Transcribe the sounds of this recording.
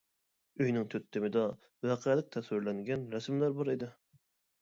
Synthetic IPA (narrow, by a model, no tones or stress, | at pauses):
yjnɪŋt̪ʰøt̪ʰːɪmɪd̪ɑ | wɛqʰælɪk̚ʲt̪ʰɛswɪɾlɛŋɡʲɛnɾɛsmlæɾbɑɾed̪ɪ